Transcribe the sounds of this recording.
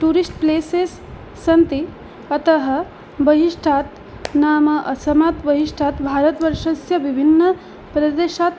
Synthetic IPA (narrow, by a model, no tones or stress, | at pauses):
ʈuːɾisʈpleːseːsː | ɐnt̪i | ɐt̪ɐɦɐ | bɐɦiʂʈʰaːt̪ | naːmɐʔɐsɐmaːt̪bɐɦiʂʈʰaːt̪bʱaːɾɐt̪ʋɐɾʂɐsjɐʋibʱinːɐ | pɾɐd̪eːʃaːt̪